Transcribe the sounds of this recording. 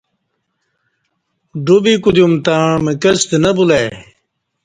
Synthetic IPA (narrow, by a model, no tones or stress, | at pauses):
ɖubikud̪jumt̪amekɐst̪nɐbulaj